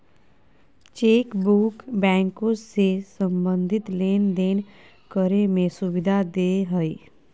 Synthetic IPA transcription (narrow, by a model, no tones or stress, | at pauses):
t͡ʃeːkbuːkbɛ̃ːŋkõsesəmbə̃nd̪ʱɪt̪leːnd̪eːn | kəɾemẽsʊbɪd̪ʱad̪eːɦəeː